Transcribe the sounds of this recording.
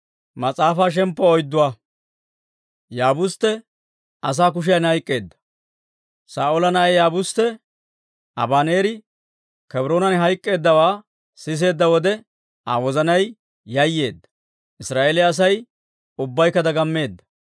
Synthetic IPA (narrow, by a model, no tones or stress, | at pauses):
mɐt͡sʼaːfaːʃ̬ɛmpːɔɔjd̪ːʊwa | jaːbʊst̪ːɛ | ɐs̬aːk̬ʊʃ̬jɐnhɐjkʼːe̞ːd̪ːɐ̥ | saːolɐnɐejaːbʊst̪ːɛ | ʔɐ̰baːneːɾɪ | kɛbɾoːnɐnɦɐjkʼːe̞ːd̪ːɐwaː | sɪs̬e̞ːd̪ːɐwɔd̪ɛ | a̰ːwɔzɐnɐj | jɐjːe̞ːd̪ːɐ̥ | ʔɪsɾaːʔeːlɪɐs̬ɐj | ʊbːɐjkːɐd̪ɐɡɐmːe̞ːd̪ːɐ̥